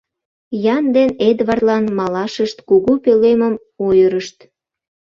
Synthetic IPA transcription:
jɑnd̪ened̪βɑrt̪lɑnmɑlɑʃəʃt̪kuɣupeleməm | ojəɾəʃt̪

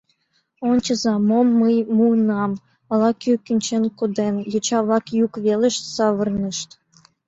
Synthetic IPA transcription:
onʲt͡ɕə̆zɑmomːəjmunɑm | ɑlɑkøkynʲt͡ɕenkod̪enjot͡ɕɑβlɑkjukβeleʃsɑβərnəʃt̪

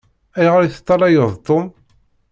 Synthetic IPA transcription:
æjʁəɾiθə̥t̪ˤːɑlɑjəðˤt̪ˤːom

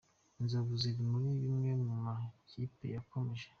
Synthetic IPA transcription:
nzoβuziβimuɾiβimɲeɲumacipḛjakomeʒe̥

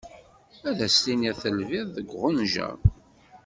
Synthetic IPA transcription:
æðæst̪iniθəlvɪðːəɡʷʁənʒæ̰ɾ

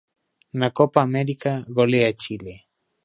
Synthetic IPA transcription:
nakopaːmeɾikaɣoleat͡ʃile

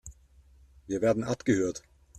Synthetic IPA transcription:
viːɐveːɐdn̩ʔapɡ̥əhøːɐt

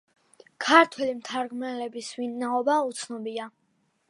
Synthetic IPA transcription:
kʰaɾt̪ʰwɛlimt̪ʰaɾɡmɛlɛbisvinnaɔbaut̪sʰnɔbia

